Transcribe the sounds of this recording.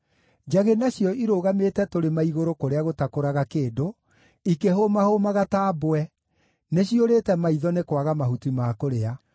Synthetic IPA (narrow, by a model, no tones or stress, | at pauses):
d͡ʒaɣenaɕjɔiɾoɣametɛtoɾemaiɣoɾokoɾeaɣotakoɾaɣakeːdo | ikeɦomahomaɣataːboɛ | neɕioɾeːtɛmaiðɔnekwaɣamahutimaːkoɾea